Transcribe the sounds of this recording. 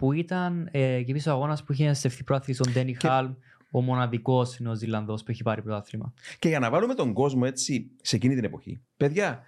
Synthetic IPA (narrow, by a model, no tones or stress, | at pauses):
puit̪ɐncepisoɐɣo̞nɐspuiçest̪e̞fθipɾoɐθlisond̪enixɐlm | omo̞nɐðiko̞sineozilːɐnðo̞spuiçepɐɾipɾoɐθlimɐ̰ce̞ʝɐnɐvɐlume̞t̪o̞ŋɡo̞zmo̞e̞t͡sise̞cinit̪ine̞po̞çḭ | peðʝɐ